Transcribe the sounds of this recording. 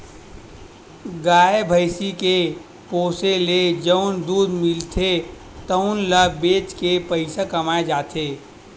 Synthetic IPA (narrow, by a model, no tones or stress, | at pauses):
ɡaːebʱəɪsike | poːseled͡ʒəʊnd̪uːd̪mɪlt̪ʰe | t̪əʊnləbeːt͡ʃkepəɪsakɐmaːed͡ʒaːt̪ʰeː